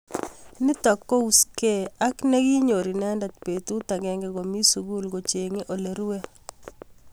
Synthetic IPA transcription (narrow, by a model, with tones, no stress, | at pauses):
nɪ˦t̪ɔ˨kːo˦u˨ske˦˨a˦knɛ˦ɡi˦ɲo˨ɾi˨nɛ˦nda˨t̪̚pe˨tu˦t̪a˨ɡɛ˨ŋɡɛ˨ɡo˨mi˦su˨ɡu˦lɡo˨t͡ʃe˨ŋe˦ʔo˨le˨ɾu˦we˦